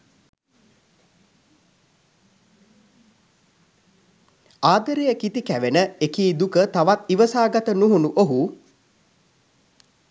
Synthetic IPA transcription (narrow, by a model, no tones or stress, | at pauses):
aːd̪əɾejəkit̪ikæʋenəekiːd̪ukət̪aʋat̪iʋəsaːɡat̪ənuɦunuʔoɦu